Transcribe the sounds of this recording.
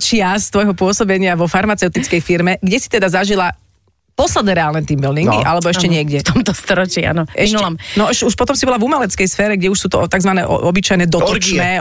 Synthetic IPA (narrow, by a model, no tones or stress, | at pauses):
t͡ʃɪast̪ʋɔjɦɔpʊɔsɔbɛɲɪaʋɔfaɾmat͡sɛʊt̪it͡skɛjfiɾmɛɡɟɛsi̥t̪ɛd̪azaʒila | pɔslɛd̪nɛɾɛaːlnɛt̪iːmbild̪iŋɡiʔa̰lɛbɔɛʃcɛɲɪɛɡɟɛt̪ɔmt̪ɔst̪ɔɾɔt͡ʃia̰nɔʔɛinulamnɔʃuʃpɔt̪ɔmsibɔlavumɛlɛt͡skɛjsfɛːɾɛɡɟɛuʃsuːt̪ɔ̰t̪aɡzʋanɛʔɔ̰ɔbit͡ʃajnɛd̪ɔt̪ɔt͡ʃnɛː